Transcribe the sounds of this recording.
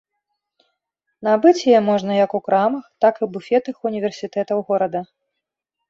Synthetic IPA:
nabɨt͡sʲjɛmɔʐnɐjɐkukɾamɐxt̪akɨbufʲɛt̪ɨxunʲivʲɛrsʲit̪ɛt̪ɐwɣɔɾɐd̪ɐ

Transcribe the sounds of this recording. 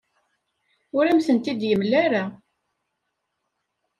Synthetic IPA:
ʊɾæmθənt̪id̪jəmlæɾa

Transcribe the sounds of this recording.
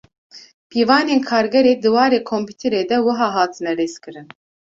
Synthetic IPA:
pʰiːvɑːnenkʰɑːɾɡɛɾeːd̪ɨwɑːɾeːkʰɔmpʰit̪ʰɛɾeːd̪ɛwɨɦɑːɦɑːt̪ʰɨnɛɾeːskʰɨɾɨn

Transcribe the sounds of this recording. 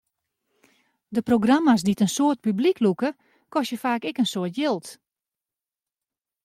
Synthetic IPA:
dəproɡramasditənsoət̚pybliklukə | kɔsjəfaːkɛkənsoːtjɪlˠt

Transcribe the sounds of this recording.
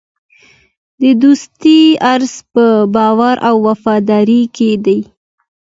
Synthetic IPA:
d̪əd̪ust̪iaɾzpəbɑwaɾʔawːafɑd̪ɑɾiked̪aj

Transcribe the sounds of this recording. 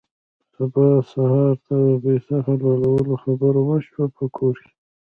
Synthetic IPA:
sabɑsahɑɾt̪ad̪əbesaxalalawəloxabəɾwəʃwapʰəkʰoɾke̥

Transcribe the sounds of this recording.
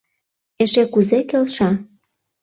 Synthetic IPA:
eʃekuzekelʃɑ

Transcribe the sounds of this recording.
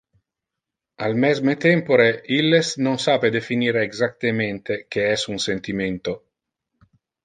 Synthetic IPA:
almɛzmet̪ɛmpoɾeilːesnonsaped̪efiniːɾeːɡzak̚t̪ement̪ek̟eɛsunsent̪iment̪o

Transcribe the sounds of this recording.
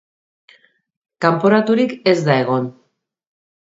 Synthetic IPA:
kampo̞ɾat̪uɾike̞zd̪ae̞ɣ̞o̞n

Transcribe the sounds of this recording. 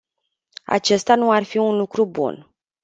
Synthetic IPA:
a̰t͡ʃe̞st̪anuarfiunlukɾubṵn

